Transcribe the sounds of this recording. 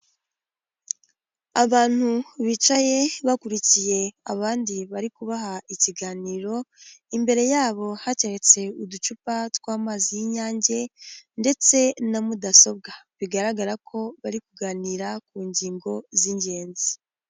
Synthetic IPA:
aβaːn̥huβit͡ʃaje̞βakuɾicije̞aβaːndiβaɾikuβaɦaiciɡaːniːɾo̞imbe̞ɾe̞jaːβo̞hace̞ɾet͡se̞udut͡ʃupatwaːmaːzijiɲaːɲɟe̞nde̞t͡se̞namudaso̞b̚ɡaβiɡaɾaɡaɾakʰo̞βaɾikuɡaːniːɾakuːɲɟiːŋɡo̞ziɲɟe̞ːnzi

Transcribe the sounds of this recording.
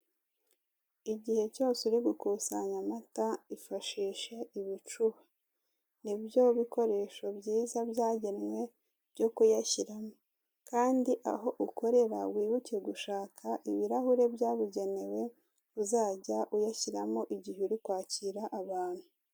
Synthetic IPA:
iɟihe̞co̞ːse̞ɾiɡukuːsaɲamataifaʃiːʃe̞ʔiβit͡ʃuβa | nibjo̞βiko̞ɾe̞ːʃo̞bɟiːzabjaːɟenmwe̞ | bɟo̞kujaçiɾamo̞ | kaːndiʔa̰ɦo̞ʔuko̞ɾe̞ɾa̰wiːβucijeɡuʃaːkʰaʔiβiɾahuɾe̞bjaːβuɟe̞ne̞we̞ | uzaːɟaʔujaçiɾamo̞ʔiɟiheɾikwaːciɾaʔːβaːn̥hu

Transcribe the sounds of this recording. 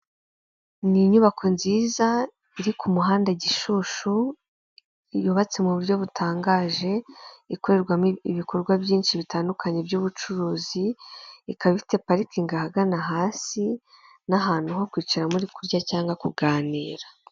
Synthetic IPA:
niɲuβakʰo̞nziːza | iɾikumuɦaːndaɟiʃuʃu | ijuβat͡se̞muβuɾɟo̞βutʰaːŋɡaːʒe̞iko̞ɾe̞ɾɡwamiβiko̞ɾɡwabjiːnʃiβitaːndukʰaɲe̞bɟuːβut͡ʃuɾuːziː | kaβite̞paɾikiŋɡahaɡanaɦaːsi | naɦaːn̥huɦo̞kwiːt͡ʃaɾamuɾikuɾɟacaːŋɡwakuɡaːniːɾḁ

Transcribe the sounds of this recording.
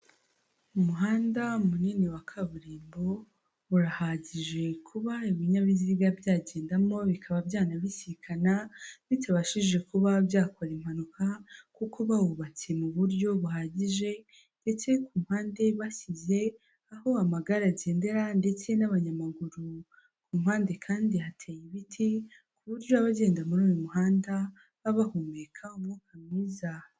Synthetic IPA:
umuɦaːndaumuniːniwakʰaβuɾiːmbo̞ | uɾahaɟiʒe̞kʰuβaiβiɲaβiziɡabjaːɟe̞ːndamo̞βikʰaβabjaːnaβisikʰanaβitaβaʃiʒe̞kuβabjaːkoɾim̥hanukʰakukʰo̞βawuβat͡se̞muβuɾɟo̞βuɦaɟiʒe̞ | nd̥e̞t͡se̞kʰuːm̥haːnde̞βasize̞ | aho̞amaɡaɾaɟe̞ːnde̞ɾande̞t͡se̞naβaɲamaɡuɾu | kuːmhaːnde̞kʰaːndiɦatʰejiβitʰi | kuβuɾɟo̞aβaɟe̞ːndamuɾuːjomuɦaːnda | βaβahumekʰaumŋukʰamŋiːza

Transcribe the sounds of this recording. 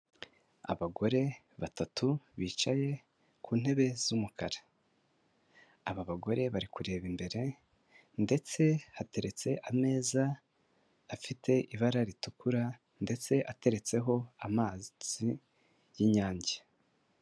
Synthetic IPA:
a̰βaɡo̞ɾe̞ | βatatʰuβiːt͡ʃaje̞ | kʰuːn̥he̞βe̞zumukaɾa | aβaβaɡo̞ɾe̞βaɾikuɾe̞ːβimbe̞ɾe̞ | nde̞t͡se̞hate̞ɾe̞t͡se̞ʔame̞ːzaː | fitʰe̞ʔiβaɾaɾitukuɾa | nde̞t͡se̞ʔate̞ɾe̞t͡se̞ɦo̞amaːzz̥i | jiɲaːɲɟe̥

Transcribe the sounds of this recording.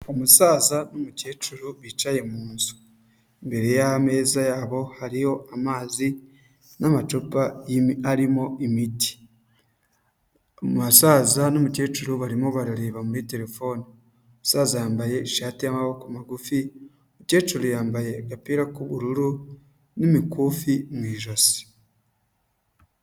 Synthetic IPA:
omusaːzanomuceːt͡ʃuɾuβit͡ʃaje̞muːnzu̥ | imbe̞ɾejame̞ːzajaːβo̞haɾijo̞ʔamaːzi | namat͡ʃupajiaɾimo̞imiti̥ | omasaːzanomuce̞ːt͡ʃuɾuβaɾimo̞βaɾaɾeːβamuɾite̞ɾe̞fo̞ːni | musaːzajaːmbaje̞iʃaːtijamaβokumaɡufi | omuce̞ːt͡ʃuɾujaːmbaje̞ɡapiɾakuβuɾuɾu | nimikufimwiːʒosi̥

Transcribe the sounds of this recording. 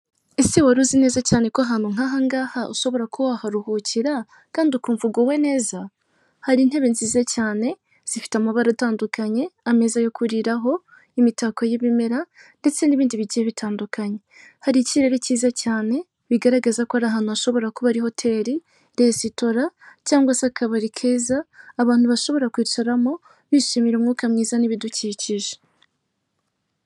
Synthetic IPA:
esiwaɾuzine̞ːzacaːne̞koaɦan̥uŋ̥aɦaŋɡahaʔuʃo̞βo̞ɾakʰuwahaɾuhuciɾa | kaːndiukuːɱvuɡowe̞ne̞ːza | haɾin̥e̞βe̞nziːzacaːne̞ | z̥ifi̥tamaβaɾataːndukaɲe̞ame̞zajo̞kuɾiɾaɦo̞ | imitakojeβimeɾande̞t͡se̞niβiːndiβiɟijeβitʰaːndukaɲe̞ | haɾiciɾe̞ɾeciːzacaːne̞ | βiɡaɾaɡazakoaɾaɦanuaʃo̞βo̞ɾakoβaɾiho̞tʰe̞ɾi | ɾesito̞ɾacaːŋɡwasakʰaβaɾikʰe̞ːzaːβaːn̥huβaʃo̞βo̞ɾakwiːt͡ʃaɾamo̞ | βiʃimiɾeuːmŋuːkamŋiːzaniβiduciːciʒe

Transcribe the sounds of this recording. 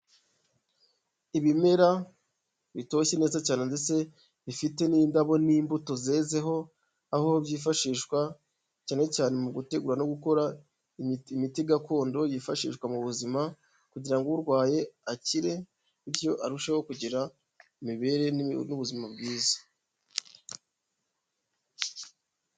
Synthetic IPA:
iβime̞ɾa | βito̞çe̞ne̞ːzacaːne̞ndet͡se̞ | βifite̞niːndaβo̞niːmbuto̞zeze̞ɦo̞ | ahoobɟiːfaʃiːʃkwa | caːne̞caːne̞muɡute̞ɡuɾano̞ɡuko̞ɾa | imitiɡako̞ːndo̞jiːfaʃḭːʃkwamuβuzima | kuɟiɾaŋɡuuɾɡwaːje̞aciɾe̞ | iɾjo̞ʔaɾuʃeho̞kuɟiɾa | imiβe̞ːɾe̞nuβuzimabɡiːzḁ

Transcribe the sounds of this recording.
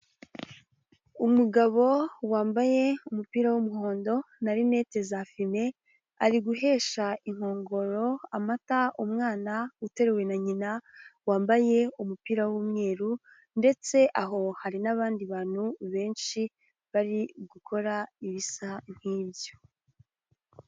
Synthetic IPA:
umuɡaβo̞waːmbaje̞umupiːɾawumuɦo̞ːndo̞naɾine̞ːte̞zafime̞ | aɾiɡuɦe̞ːʃaiŋ̥ho̞ːŋɡo̞ɾo̞amataumŋaːnaute̞ɾe̞we̞naɲinawaːmbaje̞umupiːɾawuːmŋe̞ːɾu | nde̞t͡se̞ʔaɦo̞haɾinaβaːndiβaːn̥huβe̞ːnʃi | βaɾiɡukʰo̞ɾaiβisaŋ̥hiːbjo

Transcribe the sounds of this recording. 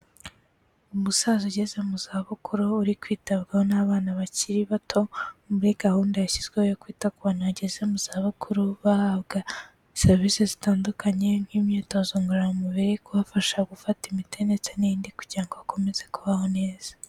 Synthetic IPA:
umusazuɟezemuzaβukʰuɾuuɾikwiːtaβɡahonaβaːnaβaciɾiβatʰo̞muɾiɡ̥ahuːndeaçizɡwehojokwiːtakuβonaaɟeze̞muz̥aːβukʰuɾuβahaβɡa | iseɾβisezitaːndukaɲe̞ŋ̥hiːmɲiːtozoŋɡuɾamumuβiɾikuβafaʃaɡufatimitʰe̞ne̞t͡seniiːndiku̥ɟiɾaŋɡoako̞me̞ze̞kuβaho̞ne̞ːz̥ḁ

